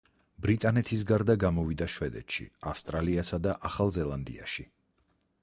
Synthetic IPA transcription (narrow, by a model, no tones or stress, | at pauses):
bɾit̪ʼanɛt̪ʰis̬ɡaɾd̪aɡamɔvid̪aʃvɛd̪ɛ̰t̪ʃḭafst̪ʼɾaliasad̪aʔaχalˠzɛlˠand̪ḭa̰ʃi